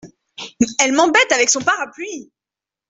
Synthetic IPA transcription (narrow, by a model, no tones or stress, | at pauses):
ɛlmɑ̃bɛt̪avɛksɔ̃paʁaplɥi